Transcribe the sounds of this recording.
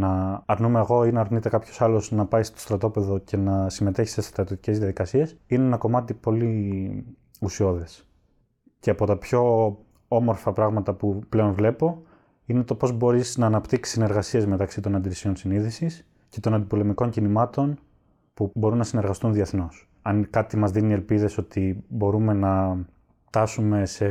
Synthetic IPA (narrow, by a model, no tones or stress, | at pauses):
nɐːɾnumeɐɣo̞inɐːɾnit̪e̞kɐpço̞̥sɐlo̞znɐpɐjst̪o̞st̪ɾɐt̪o̞pe̞ðo̞ce̞nɐsime̞t̪e̞çi̥st̪est̪ɾɐt̪iot̪ice̞zðiɐðikɐsie̞sineenɐko̞mɐt̪ipo̞li | usio̞ðe̞s | ce̞ɐpo̞t̪ɐpço̞ | o̞mo̞ɾfɐpɾɐɣmɐt̪ɐpuple̞o̞nvle̞po̞ | ine̞t̪o̞po̞zbo̞ɾiznɐːnɐpt̪iksi̥sine̞ɾɣɐsie̞zme̞t̪ɐksit̪o̞nɐnd̪iɾisio̞nsiniðisis | ce̞t̪o̞nɐnd̪ipo̞le̞miko̞ɲcinimɐt̪o̞n | pubo̞ɾunːɐsine̞ɾɣɐst̪unðie̞θno̞s | ɐnkɐt̪imɐzðinielpiðe̞so̞t̪ibo̞ɾume̞nɐ | ft̪ɐsume̞se̞